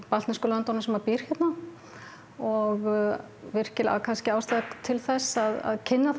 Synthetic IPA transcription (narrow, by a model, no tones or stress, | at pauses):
palt̪askɔlaant̪ɔnɪsɛmvaɾpiɾ̥çɛt̪na | ɔɣ | vɪr̥cɪla̰kʰanscɪaːwst̪aðat̪ʰɪlθɛsːaða̰ðcʰɪnːaf